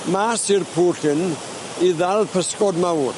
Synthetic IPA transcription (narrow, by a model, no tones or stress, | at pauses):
masirpʰuːɬɪn | iðalˠpʰəskɔdmawr